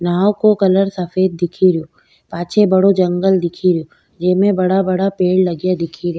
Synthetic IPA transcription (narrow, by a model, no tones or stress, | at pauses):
naːokokɐləɾsɐfeːd̪̚ːɪkʰiɾijoː | paːt͡ʃʰebɐɽod͡ʒɐ̃ŋɡəld̪ɪkʰiɾjo | d͡ʒeːmẽbɐɽabɐɽapeːɽlɐɡjad̪ɪkʰiɾja